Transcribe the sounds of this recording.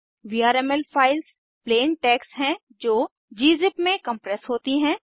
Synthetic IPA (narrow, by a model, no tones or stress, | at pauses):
ʋiːaːɾɛːmɛlpʰaːɪls | pleːnʈɛːksɦɛ̃ | d͡ʒoː | d͡ʒiːzɪpmẽkɐ̃mpɾɛsɦoːt̪iɦɛ̃ː